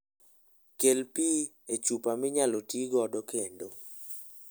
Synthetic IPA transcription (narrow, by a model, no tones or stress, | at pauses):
kelpi | et͡ʃupamɪɲalotiɡɔdɔkendo